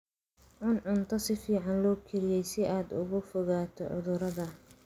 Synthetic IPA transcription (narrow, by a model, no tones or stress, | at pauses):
ʕʊnʕʊnt̪ʰɐsɪfiːʕɑnlɔːkʰɪɾɪjɛjsɪʔaːd̪ʊ̰ɣʊfɔɣaːt̪ʰɔ̰ʕʊ̰ðʊɾɐðɐ